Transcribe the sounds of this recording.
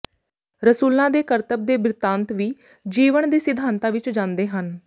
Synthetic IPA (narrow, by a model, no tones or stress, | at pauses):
ɾəsuːlãːd̪eːkəɾt̪əb̚d̪eːbɾɪt̪ãːnt̪ʋiː | d͡ʒiːʋəɳd̪iːsɪd̪ʱaːnt̪ãːʋɪt͡ʃd͡ʒãːnd̪eːɦən